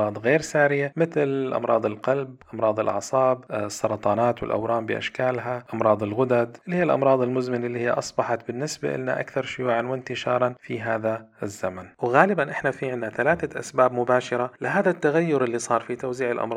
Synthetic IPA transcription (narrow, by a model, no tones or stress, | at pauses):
ɑːd̪ˤɣeːɾsaːɾɪjamɪθɪlʔɑ̰mɾˤɑ̰ːd̪ˤɪlqɑlbʔɑmɾˤɑːd̪ˤɪ̰lʔɑ̰ʕsˤɑːbsˤːɑɾˤɑt̪ˤɑːnaːt̪wɪ̰lʔa̰wɾˤɑːmbɪ̰ʔa̰ʃkaːlɦaʔɑmɾˤɑːd̪ˤɪlɣʊd̪ad̪ʔɪlːhiːalʔɑ̰mɾˤɑːd̪ˤɪlmʊzmɪnɪlːiːhɪjːʔɑsˤbɑħɑt̪bɪnːɪsba̰ʔɪ̰nːa̰ʔa̰kθɑɾˤʃʊjuːʕanwɪnt̪ɪʃɑ̰ːɾˤɑnfiɦaːðaɪzːamanwɣaːlɪbanʔɪħnafiʕɪnːaθalaːθaʔa̰sbaːbmʊbaːʃɪɾˤalɪɦaːðat̪ːaɣajːʊɾʔɪlːisˤɑːɾˤfit̪awziːʕɪlʔɑ̰mɾˤ